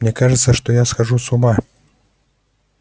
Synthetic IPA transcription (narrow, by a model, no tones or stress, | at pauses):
nʲɛkaʐɨt̪sɐʂt̪ɔjasxaʐusuma